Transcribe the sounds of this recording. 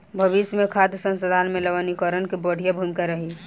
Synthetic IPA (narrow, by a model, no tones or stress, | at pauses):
bʱəbismekʰad̪sə̃nsəd̪ʱaːnmẽləʋənikəɾənkebəɽʱijabʱumikaɾəɦi